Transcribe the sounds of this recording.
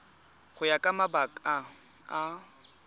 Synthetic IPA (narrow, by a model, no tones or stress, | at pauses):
χʊjakʼamabakʼa | a